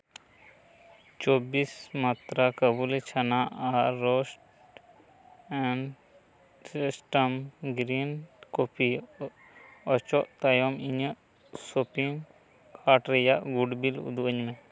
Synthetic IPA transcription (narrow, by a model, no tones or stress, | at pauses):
t͡ʃoːbiːsmaːt̪ɾakɐbulet͡ʃʰɐnaaɾosʈ | ɛn | sisʈəmɡɾiːnkopʰi | ɔt͡ʃɔʔt̪ajomiɲə | sopiŋ | kʰaːʈɾejaʔɡuɖbilṵd̪uəɲmẽ